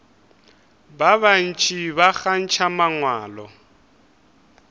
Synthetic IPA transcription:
baβan̩t͡ʃʼiβaxan̩t͡ʃʰamaŋwaːlɔ̰

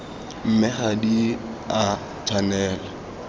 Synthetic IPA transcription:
m̩mɪχadi | a | tʰanɛːla

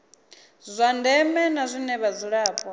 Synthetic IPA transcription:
zʷandɛmɛnazʷinɛβad͡zuɺaːpʼɔ

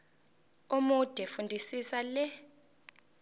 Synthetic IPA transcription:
umud̥ʱɛfundʱisisalɛ

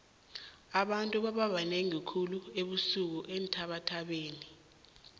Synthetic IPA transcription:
aɓantʼuɓaɓaɓanɛŋikʰulueɓusuk̬uʔen̩tʰaɓatʰaɓeːni

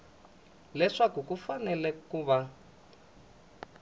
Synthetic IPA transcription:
lɛʂakukufanɛlɛkuːβa

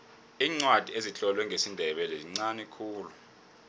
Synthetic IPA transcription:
iːŋ͡ǀwad̥ʱieziɬɔlwɛŋʱesindʱɛɓɛlɛziŋ͡ǀanikʰuːlu

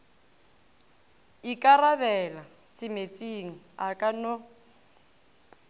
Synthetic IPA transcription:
ikʼaraβɛlasɪmet͡sʼiŋ̩akʼanɔ

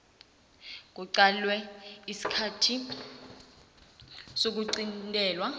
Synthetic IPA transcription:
k̬uǀalwɛisi̥kʰatʰi | sok̬uǀintʼɛːlwa

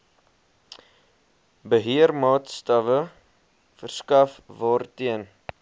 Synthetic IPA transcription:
bəɦiərmɑːtstɐvə | fərskɐfvɑːrtiən

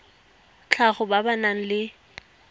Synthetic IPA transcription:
t͡ɬʰaχʊbabanaŋ̩lɪ

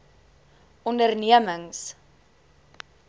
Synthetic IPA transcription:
ɔndərniəməŋs

